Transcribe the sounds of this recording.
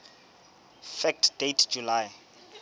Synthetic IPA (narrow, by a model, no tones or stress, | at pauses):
fɛk̚tʰd̥etʰd͡ʒulaj